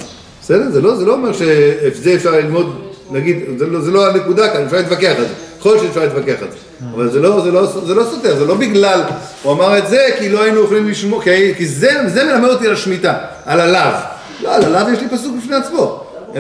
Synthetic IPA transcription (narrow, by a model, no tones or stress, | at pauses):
besed̪e̞ʁzelo̞zelo̞omeʁʃe̞efzeːfʃaʁlilmo̞d̪naɡid̪zelozeloane̞kud̪akanefʃaʁlet̪vake̞aχeze̥ | olʃeefʃaʁlet̪vake̞aχezeavalzelo̞zelosozelo̞sot̪eazelo̞biɡlal | uamaʁe̞t̪ze̞kilo̞ainuoχlimliʃmokiakizezeme̞lamedot̪ialaʃmit̪a | alalav | loalalavjeʃlipasuk̚bifne̞at͡smo̞